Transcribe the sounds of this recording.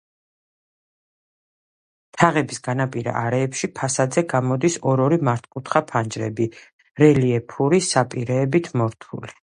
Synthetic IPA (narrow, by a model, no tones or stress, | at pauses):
t̪ʰaʁɛbisɡanapʼiɾa̰ʔaɾɛːpʃipʰasad̪zɛɡamɔd̪isɔɾɔɾimaɾt̪ʰkʼut̪ʰχapʰand͡ʒɾɛ̰bi | ɾɛliɛpʰuɾisapʼiɾɛːbit̪ʰmɔɾt̪ʰṵli